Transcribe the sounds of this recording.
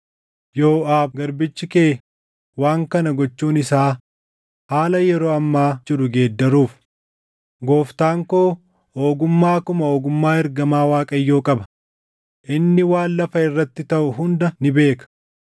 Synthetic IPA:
jo̞ːʔaːbɡɐɾbɪt͡ʃːɪkeː | waːŋkɐnɐɡɔt͡ʃːuːnɪsaː | haːlɐjɛɾoːɐmːaːd͡ʒɪɾʊɡe̞ːd̪ːɐɾuːf | ɡo̞ːft̪aːŋkoː | oːɡʊmːaːkʊmɐoːɡʊmːaːɛɾɡɐmaːwaːkʼɐjːo̞ːkʼɐbɐ̥ | ʔɪnːɪwaːnlɐfɐɪrːɐt̪ːɪt̪ɐʔʊɦʊnd̪ɐnɪbe̞ːkɐ̥

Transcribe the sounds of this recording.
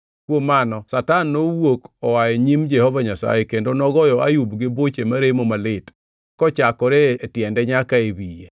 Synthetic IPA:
kwomanɔsatanːowokɔwaeɲimd͡ʒɛhɔvaɲasa̰jekendonɔɡɔjɔʔajubɡɪbot͡ʃemaɾemomalɪt | kɔt͡ʃakɔɾeːtjɛndɛɲakaebije

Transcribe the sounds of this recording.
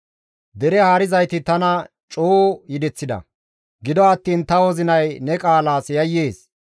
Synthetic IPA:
d̪ɛɾɛhaːɾɪzɐjt̪ɪt̪ɐnɐ | t͡ʃʼoːjɪd̪ɛt͡sːɪd̪ɐ̰ | ɡɪd̪ɔɐt̪ːiːnt̪ɐwɔzɪnɐjnɛkʼaːlaːsjɐjːe̞ːs

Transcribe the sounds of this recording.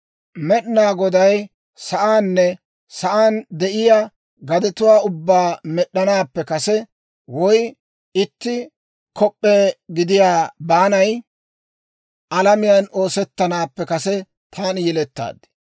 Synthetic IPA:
mɛɗnaːɡɔd̪ɐj | sɐʔaːnːɛ | sɐʔaːnd̪ɛʔɪjaː | ɡɐd̪ɛt̪ʊwaːʊbːaːmɛɗːɐnaːpːɛkɐsɛ | wɔj | ɪt̪ːɪ | kɔpʼːeːɡɪd̪ɪjaːbaːnɐj | ɐlɐmɪjɐno̞ːsɛt̪ːɐnaːpːɛkɐsɛ | t̪ʰaːnjɛlɛt̪ːa̰ːd̪ːɪ̥

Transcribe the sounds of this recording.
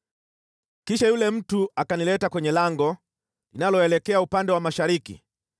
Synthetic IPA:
kiʃajulɛm̩tuakanilɛtakwɛɲɛlaŋɡɔ | linalɔɛlɛkɛaupandɛwamaʃaɾikḭ

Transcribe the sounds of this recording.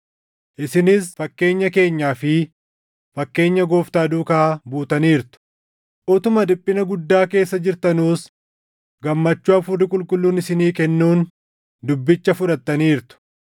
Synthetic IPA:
ʔɪsɪnɪsfɐkːe̞ːɲːɐke̞ːɲːaːfɪ | fɐkːe̞ːɲːɐɡo̞ːft̪aːd̪uːkaːbuːt̪ɐniːɾt̪ʊ̥ | ʔɔt̪ʊmɐd̪ɪpʼːɪnɐɡʊd̪ːaːke̞ːsːɐd͡ʒɪɾt̪ɐnuːs | ɡɐmːɐt͡ʃːuːɐfʊrːɪkʼʊlkʼʊlːuːnɪsɪniːkɛnːuːn | d̪ʊbːɪt͡ʃːɐfʊᶑɐt̪ːɐniːɾt̪ʊ̥

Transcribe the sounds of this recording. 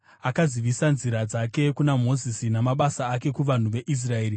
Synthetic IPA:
akaziʋisanziɾad͡zake̞kunamo̞zisinamaɓasaːke̞kuʋan̤uʋe̞ʔis̬rae̞ːɾi

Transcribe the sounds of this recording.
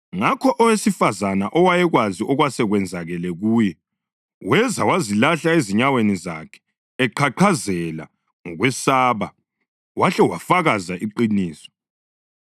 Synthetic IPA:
ŋakʰɔʔɔwesifazanaʔɔwajɛɣwaziʔɔɣwasɛɣwɛnd͡zʱaɣɛlɛɣuːjɛ | wɛzawazilaɬaeziɲaweniza̰kʰɛ̥ː | ǃʰaǃʰazɛla̰ | ŋɔɣwɛsaːβa | waɬɛwafaɣazaʔiǃiniːsɔ̥

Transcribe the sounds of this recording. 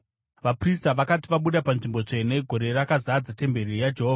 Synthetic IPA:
ʋapristaʋakatiʋaɓuɗapanʐimbo̞t͡ʂe̞neɡʱo̞ɾe̞rakazad͡zate̞mbe̞rirjad͡ʒeɦoːva

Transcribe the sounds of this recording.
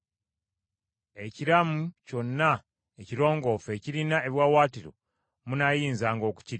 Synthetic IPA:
e̞ciɾamuco̞nːa | eciɾo̞ːŋɡo̞fe̞ciɾinaeβjwaːwaːtiɾo̞̰ | munajiːnzaːŋɡo̞ːku̥ciɾ

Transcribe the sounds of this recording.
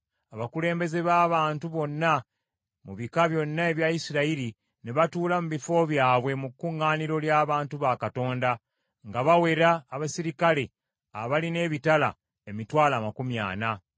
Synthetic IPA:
aβakule̞ːmbe̞ze̞βaːβaːntuβo̞nːa | muβikaβjo̞nːae̞βjaisiɾaiɾi | neβatuːlamuβifo̞βjaːβwe̞mukːuŋːaːniɾo̞ljaːβaːntuβakato̞ːnda | ŋɡaβawe̞ɾaːβasiɾikale̞ | a̰βaline̞ːβitala̰ | emitwaːlaːmakumja̰ːna

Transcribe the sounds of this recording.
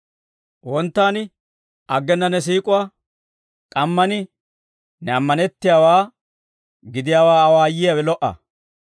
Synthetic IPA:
wɔnt̪ːaːnɪ | ɐɡːɛnːɐnɛs̬iːkʼʊwa | kʼɐmːɐnɪ | nɛɐmːɐnɛt̪ːɪjaːwaː | ɡɪd̪ɪjaːwaːɐwaːjɪjawɛlɔʔɐ̰

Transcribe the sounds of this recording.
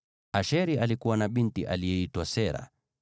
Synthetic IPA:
aʃɛɾialikuwanaɓintiʔalijɛitwasɛɾa̰

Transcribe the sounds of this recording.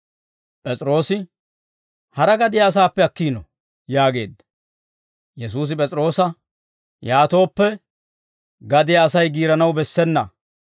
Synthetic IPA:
pʼɛt͡sʼɪɾo̞ːsɪ | hɐɾɐɡɐd̪ɪjɐːs̬aːpːɛɐkːiːnɔ | jaːɡe̞̰ːd̪ːɐ̥ | jɛs̬uːs̬ɪp̬ʼɛt͡sʼɾo̞ːsɐ | jaːt̪o̞ːpːɛ | ɡɐd̪ɪjɐːsɐjɡiːɾɐnɐwbɛsːɛnːɐ̰

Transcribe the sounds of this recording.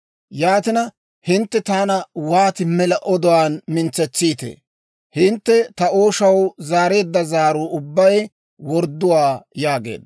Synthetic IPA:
jaːt̪ɪnɐ | hɪnt̪ːɛt̪aːnɐwaːt̪ɪmɛlɐʔɔd̪ɔwaːnmɪnt͡sɛt͡sːiːt̪ḛː | hɪnt̪ːɛt̪ɐo̞ːʃɐwzaːɾe̞ːd̪ːɐzaːɾʊʊbːɐj | wɔɾd̪ːʊwaːjaːɡe̞̰ːd̪ɐ

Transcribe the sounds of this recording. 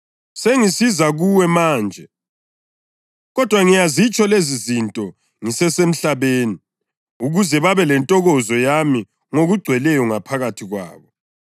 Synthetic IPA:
seŋisizaɣuwɛmaːnd͡ʒʱɛ | ɣɔd̥ʱwaŋijazit͡ʃʼɔlezizintʼɔ | ŋisɛsem̩ɬaβeːni | uɣuzɛβaβɛlɛntʼɔɣɔzɔjami | ŋoɣuɡ͡ǀʱwɛlɛjɔŋapʰaɣatʰiɣwa̰ːβɔ

